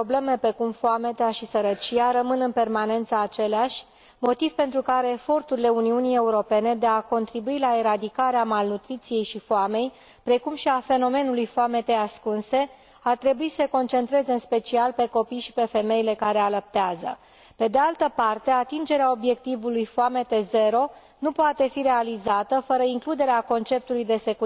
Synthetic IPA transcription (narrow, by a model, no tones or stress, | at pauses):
oble̞me̞pɾe̞kumfoame̞t̪eaʃisəɾət͡ʃijaɾəmɨnɨnpe̞rmane̞nt̪səːt͡ʃe̞leaʃʲ | mo̞t̪iv̥pe̞nt̪ɾukaɾe̞ːfo̞rt̪uɾile̞uniunije̞uɾo̞pe̞ne̞d̪e̞ako̞nt̪ɾibuilaeɾad̪ikaɾeamalnut̪ɾit̪sije̞jʃifoame̞j | pɾe̞kumʃiafe̞no̞me̞nulujfoame̞t̪easkunse̞ | art̪ɾe̞buiseko̞nt͡ʃe̞nt̪ɾe̞zeɨnspe̞t͡ʃialpe̞ko̞pijʃipe̞fe̞me̞jile̞kaɾe̞alap̚t̪eazə̰ | pe̞d̪e̞alt̪əpart̪e̞at̪ind͡ʒe̞ɾeao̞bje̞k̚t̪ivulujfoame̞t̪e̞ze̞ɾo̞ | nupoat̪e̞fiɾe̞alizat̪əfəɾəiŋklud̪e̞ɾeako̞nt͡ʃe̞p̚t̪ulujd̪e̞se̞ku